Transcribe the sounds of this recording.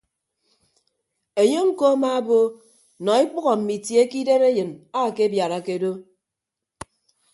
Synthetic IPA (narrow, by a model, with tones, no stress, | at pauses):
e˨ɲo˦ŋ̩˦ko˦a˦ma˦a˦bo˦ | nɔ˨i˦k͡pu˦ɣɔ˨m̩˨mi˨tje˨˦ki˦de˦ɾe˦jɨ˨na˦˨ke˦bja˨ɾa˨ke˦do˦